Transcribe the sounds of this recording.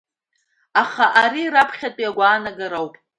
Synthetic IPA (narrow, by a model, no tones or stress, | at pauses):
aχaʔaɾirapʰχʲatʼiaɡʷaːnaɡaɾawpʼ